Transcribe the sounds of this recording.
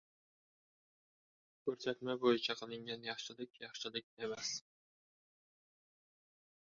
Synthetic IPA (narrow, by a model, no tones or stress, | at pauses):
kʲʰɵɾsæt̪mæbojɪt͡ʃʰɑqʰɨlˠɪŋɡʲænjɑχʃɪlˠɪkʲjɑχʃɪlˠɪk̚ʲemæs